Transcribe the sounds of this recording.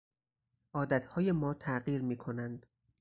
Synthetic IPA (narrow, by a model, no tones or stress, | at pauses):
ʔɒːd̪æt̪ʰhɒːje̞mɒːt̪ʰæʔɢiːɾmiːkʰo̞nænd̪̥